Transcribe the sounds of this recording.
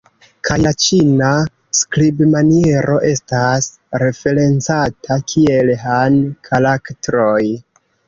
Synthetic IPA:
kʰajat͡ʃina | skɾibmanie̞ɾʔo̞ʔe̞stas | ɾe̞fe̞ɾe̞nt͡satʰakʰie̞lɦankʰalaktɾo̞j

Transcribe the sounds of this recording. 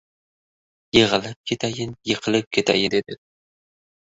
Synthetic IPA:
jeʁɨlɪp̚kʲʰet̪ʰajɪnjeqʰɨlˠɪp̚kʲʰet̪ʰa̰jɪd̪ed̪ɪ

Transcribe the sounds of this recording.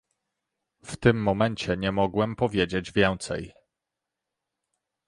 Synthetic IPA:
ft̪ɘmːɔmɛnt͡ɕɛɲɛmɔɡwɛmpɔvʲjed͡ʑed͡ʑvʲjɛ̃ñt̪sɛ̰j

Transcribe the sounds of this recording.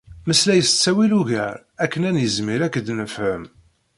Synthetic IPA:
məslæjəst͡sːæwiluʝə̰ɾ | ækːənænjəzmiɾækːəd̪nəfhəm

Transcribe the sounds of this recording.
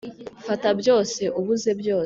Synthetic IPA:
fatabjo̞ːse̞ʔuβuze̞bjo̞ː

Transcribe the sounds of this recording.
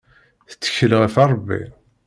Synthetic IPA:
θə̥t͡sːə̥çəlʁəfɑɾˤbːḭ

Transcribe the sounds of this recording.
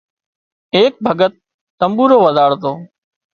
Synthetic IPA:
eːk̚bʱəɡət̪̚ː | əmbuːɾoːʋəd̪aːɽt̪oː

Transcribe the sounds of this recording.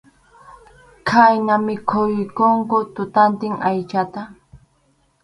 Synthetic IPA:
kʰajnamɪkʰʊjɪkoŋkʊt̪ʊt̪ant̪ɪŋajt͡ʃat̪a

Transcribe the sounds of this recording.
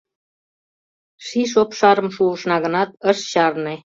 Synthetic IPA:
ʃiʃ̬opʃɑɾə̆mʃuəʃnɑɣənɑt̪əʃɕɑrne

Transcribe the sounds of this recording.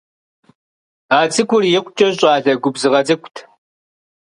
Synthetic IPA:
aːt͡sɨkʷʊrjɛkʷt͡ʃʼɐɕʼɑːɮɐɡʷʊbzɨʁɐd͡zɐkʷʊtʰ

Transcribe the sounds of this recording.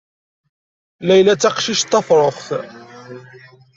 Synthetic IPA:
læjlæt͡sːɑqʃiʃt̪ːɑfɾˤoχθ

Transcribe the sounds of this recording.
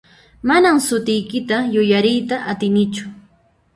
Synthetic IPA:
manamsʊt̪ɪjkɪt̪ajʊjaɾɪjt̪aʔat̪ɪnɪt͡ʃʊ̥

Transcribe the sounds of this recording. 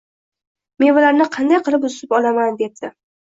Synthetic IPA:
me̞nbʊlaɾnɪqʰɑnd̪ajqʰɨlˠɪpʊzɪpɒlamand̪e̞p̚t̪ɪ

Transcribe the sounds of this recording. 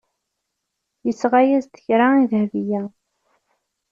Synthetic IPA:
jəsʁajæzt̪ə̥çɾaiðhvijæ

